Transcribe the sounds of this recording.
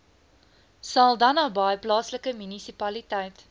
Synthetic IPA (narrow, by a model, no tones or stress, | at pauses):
sɐlˠdɐnɐːbɐjplɑːsləkəmynisipɐlitɛjt